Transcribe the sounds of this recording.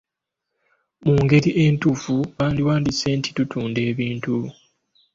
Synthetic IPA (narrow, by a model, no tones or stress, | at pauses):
muːŋɡe̞ɾiʔe̞ːntuːfuβaːndiwaːndise̞ːntʰi̥tutʰuːnde̞ːβiːntu